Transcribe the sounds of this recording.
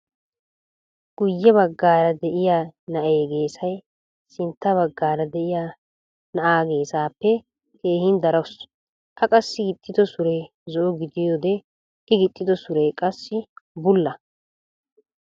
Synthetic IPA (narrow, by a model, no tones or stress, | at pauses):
ɡ̥ʊjːɛβɐɡːaːɾɐd̪ɛʔɪjaːnɐʔeːɡe̞ːsɐj | sɪnt̪ːɐβɐɡːaːɾɐd̪ɛʔɪjaː | nɐʔaːɡe̞ːsaːpːɛ | ke̞ːhɪnd̪ɐɾɐws | ʔɐkʼɐsːɪɡɪt̪ʼːɪd̪ɔsʊɾɛj | zɔʔɔɡɪd̪ɪjɔd̪ɛ | ʔɪɡɪt̪ʼːɪd̪ɔsʊɾɛjkʼɐsːɪbʊlːɐ